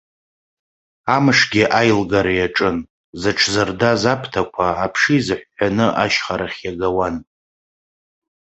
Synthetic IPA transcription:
amɨʂɡʲiʔajlɡaɾajaʈ͡ʂʼɨn | zɨʈ͡ʂʰzɨrdazapʰtʰakʷʰaːpʰʂizɨħʷːanɨʔaʃχaɾaχʲjaɡawan

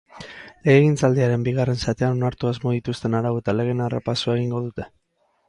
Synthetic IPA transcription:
leeɣint͡sald̪iaɾe̞mbiɣ̞are̞nsat̪eano̞naɾt̪uazmo̞ðit̪ust̪e̞naɾaβuet̪ale̞ɣ̞e̞nara̰pasuae̞ɣ̞iŋɡo̞ð̞ut̪e̞

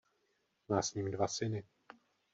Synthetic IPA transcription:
maːsɲiːmdvasɪnɪ

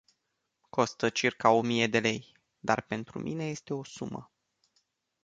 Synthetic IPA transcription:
ko̞st̪ət͡ʃirkao̞mije̞d̪e̞le̞j | d̪a̰rpe̞nt̪ɾṵmʔine̞je̞st̪e̞o̞sumə̰

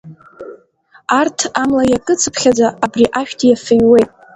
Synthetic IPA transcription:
artʰamlajakʼɨt͡sʰɨpʰχʲad͡zaːbriʔaʃᶣtʰjafɨjwe̞jtʼ

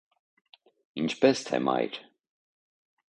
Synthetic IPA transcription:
int͡ʃʰpɛst̪ʰɛ̰mɑ̰jɾ

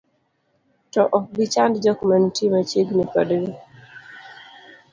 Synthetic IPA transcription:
tɔʔɔk̚ɡɪt͡ʃandd͡ʒɔkmɛntimat͡ʃeɡnipa̰dɾi

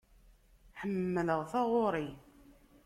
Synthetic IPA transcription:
ħəmːələʁθɑʁoɾˤi

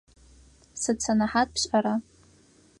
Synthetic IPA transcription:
sɨt͡sʰanaħat̚pʰɕʷʼaɾa

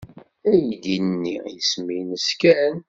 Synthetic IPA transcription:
æjəd̪inənːijəsminəskæn

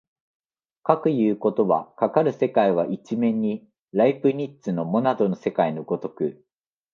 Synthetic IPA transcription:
kakɯ̟jɯ̟ːko̞t̪o̞βa̰kakaɾɯ̟se̞kaiβ̞aʔit͡ɕimẽ̞ɲ̟ːi | ɾaipɯ̟ɲ̟itt͡sɨno̞mo̞nad̪o̞no̞se̞kainoɡo̞t̪o̞kɯ̟

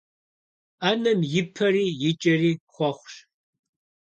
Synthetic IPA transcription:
aːnɐmjɪpʰɐriːjɪt͡ʃʼɐriːχʷɔχʷɕ

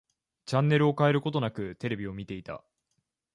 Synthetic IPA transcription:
t͡ɕãnːe̞ɾɯ̟o̞kae̞ɾɯ̟ko̞t̪̬o̞nakɯ̟t̪e̞ɾe̞bʲio̞mʲit̪e̞it̪a̰

